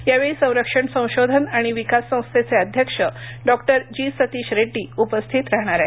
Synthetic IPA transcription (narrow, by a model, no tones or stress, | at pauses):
jaʋeɭisə̃w̃ɾəkʂəɳsə̃w̃ɕod̪ʱənaɽ̃iʋikasːə̃w̃st̪ʰet͡seəd̪ʱjəkʂəɖɔkʈəɾd͡ʑiːsət̪iːɕɾeɖːiːupəst̪ʰit̪ɾaɦɽ̃aɾɛ